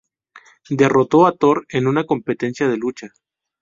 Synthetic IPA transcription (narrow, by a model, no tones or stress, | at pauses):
d̪e̞ro̞t̪o̞at̪o̞ɾe̞nunako̞mpe̞t̪e̞nsjaðe̞lut͡ʃa